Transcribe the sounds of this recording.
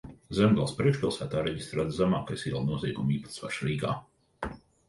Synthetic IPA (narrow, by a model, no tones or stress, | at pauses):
zɛmɡalˠspɾiɛkʃpʲilˠsæːt̪aːɾɛɟist̪ɾaːt̪zamaːkajsiɛlˠnuɔzʲiɛɡumiːpḁt̪sva̰ʃɾiːɡa̰ː